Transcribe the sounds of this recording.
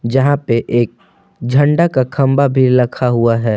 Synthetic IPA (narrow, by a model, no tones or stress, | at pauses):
d͡ʒɐɦãpeʔeːk̚ | d͡ʒʱə̃ɳɖakakʰɐ̃mbabʱilɐkʰaɦuaɦɛː